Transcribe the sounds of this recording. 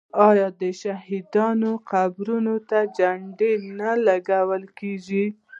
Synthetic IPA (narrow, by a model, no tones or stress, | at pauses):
ɑjɑd̪əʃaɦid̪ɑnoqabɾunot̪ad͡ʒaɳɖenalaɡawəlkeʒi